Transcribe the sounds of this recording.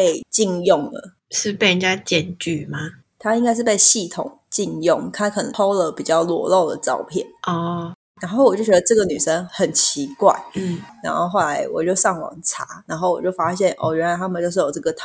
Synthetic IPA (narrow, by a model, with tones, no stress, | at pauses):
pe˥˧ɪt͡ɕi˥˧njʊ˥˩ŋlə̰˩ | ʂɻ̩˥˧pe˥˩ɪɻə˧˥nt͡ɕja˦˥t͡ɕjɛ˥˨˩nt͡ɕy˥˩ma˨˩ | t̪ʰa˥i˧˥ŋka˥ɪʂ̬ɻ̩˥˧pe˥˧ɪɕi˥˩t̪ʰʊ̰˨˩ŋt͡ɕi˥˧njʊ˥˩ŋk̪ʰa˥kʰɤ˨˩nə˧˦o˥ʊlə˨pi˨˩t͡ɕjɑ˥˩ʊlwɔ̰˧˥˦lo˥˩ʊd̪ə̰˩ʈ͡ʂɑ˥˧ʊpʰjɛ̰˥˩nɔ˥˧˩ | na˧˥nxo˥˩wɔ˨˩t͡ɕo˥˩t͡ɕʲɥɛ˧˥d̪ə˧ʈ͡ʂɤ˥˩ɡə˨ny˨˩ʂə˦ŋxə˨˩nt͡ɕʰi˧˦kwa̰˥˩ɪ˥˩na˧˥nxo˥˧ʊxo˥˩ʊla˧˦ɪwɔ̰˨˩t͡ɕjo˥˧ʊʂɑ˥˩ŋwɑ̰˨˩ŋʈ͡ʂʰa˧˥na˧˥nxo˥˩ʊwɔ˨˩t͡ɕjo˥˩ʊfa˥ɕjɛ˥˩nʔɔ̰˥˩ɥɛ˧˥nla˧˥ɪt̪ʰa˥mə˨nt͡ɕo˥˧ʊʂ̬ɻ̩˥˩jo˨ʊʈ͡ʂɤ˥˩ɡə˩t̪ʰ